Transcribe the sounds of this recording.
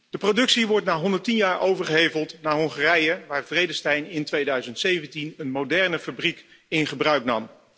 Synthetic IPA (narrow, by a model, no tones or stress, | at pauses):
d̥əprowdɵksiʋɔɹtnaːɦɔndəɹtinjaːɹʔowvəɹχəɦejvəlˠtnaːɹɦɔŋχaːrɛjəʋaːɹvrejdəstɛjnɪntʋejdœɥzəntsejvəntinənmowdɛɹnəfabrik | ɪnχəbrœɥknɑ̰m